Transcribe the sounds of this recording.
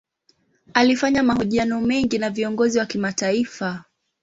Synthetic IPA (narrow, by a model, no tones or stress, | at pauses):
alifaɲamaɦɔʄianɔmɛŋɡinaviɔŋɡɔziwakimataifa